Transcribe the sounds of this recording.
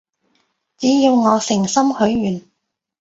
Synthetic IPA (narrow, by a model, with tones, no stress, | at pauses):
t͡siː˨˥ji˧wŋɔː˨˧sɪ˨˩ŋsɐ˥mhɵ˨˥ɥɥyː˨˩n